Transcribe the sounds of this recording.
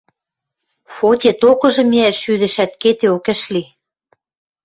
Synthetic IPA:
fotʲet̪okɤ̆ʒɤ̆miæʃyðɘ̆ʃæt̪ket̪eokɘ̆ʃli

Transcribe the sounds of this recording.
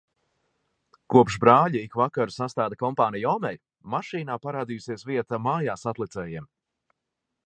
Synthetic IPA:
kuɔpʃbɾaːʎiikvakaɾusast̪aːd̪akɔmpaːnijɔmɛj | maʃiːnaːpaɾaːd̪ijusiɛsviɛt̪amaːjaːsat̪lˠit̪sɛːjiɛm

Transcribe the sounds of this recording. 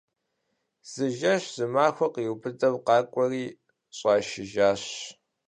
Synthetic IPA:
z̥ɨʒɐɕz̥ɨmaːxʷɐqiːwpʰɨdʼɐwqɑːkʷʼɔriː | ɕʼɑːʃɪʒaːɕ

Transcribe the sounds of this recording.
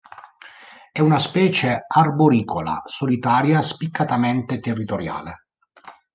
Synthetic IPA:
ɛunaspɛːt͡ʃearboɾiːkʰola̰solit̪aːɾjaspikʰːat̪ament̪et̪erːit̪oɾja̰ːle

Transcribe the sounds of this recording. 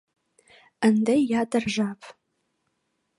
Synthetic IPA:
əndɐjadɨrʒʷapʰʼ

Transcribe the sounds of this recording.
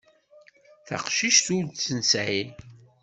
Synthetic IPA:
θa̰qʃiʃθuɾd̪t͡sːənsʕil

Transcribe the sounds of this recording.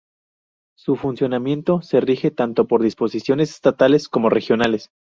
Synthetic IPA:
sufunsjo̞namje̞nt̪o̞se̞rixe̞t̪ant̪o̞po̞ɾðispo̞sisjo̞nese̥st̪at̪ale̞sko̞mo̞re̞xjo̞nale̞s

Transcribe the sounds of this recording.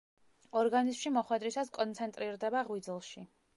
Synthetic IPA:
ɔɾɡanizmʃimɔχwɛd̪ɾisaskʼɔnt̪sʰɛnt̪ʼɾiɾd̪ɛbaʁwid̪zlˠʃi

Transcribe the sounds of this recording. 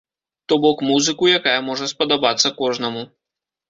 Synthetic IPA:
t̪ɔbɔkmuzɨkujakajɐmɔʐɐspɐd̪abat̪sːɐkɔʐnɐmu

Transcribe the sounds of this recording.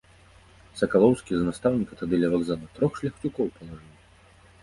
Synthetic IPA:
sɐkalˠɔwskʲiznast̪awnʲikɐt̪ad̪ɨlʲɛvaɡzalˠɐt̪ɾɔxʂlʲɐxt͡ʃukɔwpɐlˠɐʐɨwʲ

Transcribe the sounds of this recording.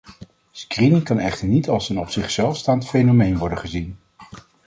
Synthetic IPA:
skrinɪŋkɑnɛχtəɹnitɑlˠsənɔpsɪχsɛlˠfstaːntfejnomejnʋɔɹdəχəzin

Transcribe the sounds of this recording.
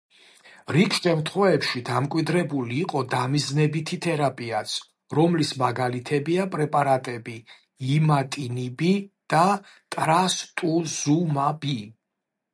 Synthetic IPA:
ɾikʰʃɛmɾt̪ʰχwɛvɛpʃid̪amkʼwid̪ɾɛbuliːqʼɔd̪amiznɛbit̪ʰit̪ʰɛɾapʼiat̪sʰ | ɾɔmlismaɡalit̪ʰɛbiapʼɾɛpʼaɾat̪ʼɛbi | imat̪ʼinibid̪̥a | t̪ʼɾast̪ʼuz̥umabi

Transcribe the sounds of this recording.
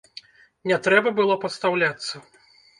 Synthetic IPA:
nʲɛt̪ɾɛbɐbɨlˠɔpɐt̪st̪awlʲat̪sːɐ

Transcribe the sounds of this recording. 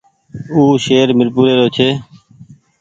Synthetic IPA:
uːʃeːɾmɪɾpuːɾeːɾoːt͡ʃʰeː

